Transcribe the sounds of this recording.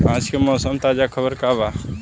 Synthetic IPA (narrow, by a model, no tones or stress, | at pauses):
pãːt͡ʃkemɔːsəmt̪aːd͡ʒakʰɐbəɾkaːbaː